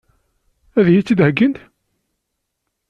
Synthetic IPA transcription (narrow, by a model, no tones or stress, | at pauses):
æðjit͡sːid̪həɡːənd̪